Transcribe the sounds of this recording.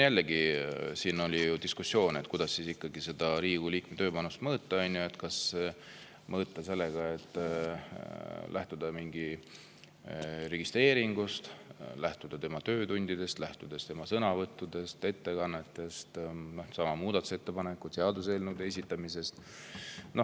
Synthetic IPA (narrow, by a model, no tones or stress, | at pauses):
jælːeɡisiːno̞lʲijud̪̥iskusːjo̞ːnet̪kujd̪̥ɑsːisikːɑɡise̞d̪̥ɑɾiːɡ̥uliːkmet̪ø̞ːpɑnust̪mɤːt̪ːˑɑɑjnjue̞t̪kɑsː | mɤːt̪ːˑɑse̞lːeɡ̥ɑe̞t̪ːˑ | lʔæht̪ud̪̥ɑmiŋɡ̥i | ɾe̞ɡ̥ist̪ɾe̞ːɾiŋɡ̥ust̪læht̪ud̪̥ɑt̪e̞mɑt̪ø̞ːt̪und̪̥id̪̥e̞st̪læht̪ud̪̥e̞st̪e̞mɑsɤnɑvɤt̪ːˑud̪e̞st̪e̞t̪ːe̞kɑnːet̪ːe̞st̪no̞sɑmɑmuːd̪ɑt̪ˑu̥set̪ːepɑnekːut̪seɑd̪use̞ːlnud̪es̬ʲit̪ːɑmise̞st̪ | no̞h